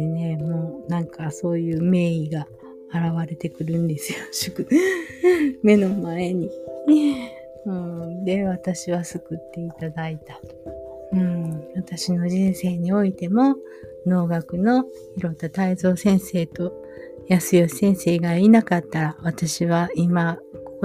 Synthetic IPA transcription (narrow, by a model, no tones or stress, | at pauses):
ene̞mo̞ːnãŋkaso̞ːjɯ̟ːme̞ːiɡaː | ɾaβaɾe̞t̪e̞kɯ̟ɾɯ̟̃nd̪e̞sɨjo̞ɕɨkɯ̟ | me̞no̞mae̞ɲ̟i | ɯ̟̃d̪e̞βat̪aɕiβasɨkɯ̟t̪ːe̞it̪ad̪ait̪a | ɯ̟̃βat̪aɕino̞ʑĩɰ̃se̞ːɲ̟io̞it̪e̞mo̞ | no̞ːɡakɯ̟no̞ | çiɾo̞t̪ːat̪aizo̞ːsẽ̞ɰ̃se̞ːt̪o̞ | jasɨjosẽ̞ɰ̃se̞ːɡainakat̪ːaɾaβat̪aɕiβaimakok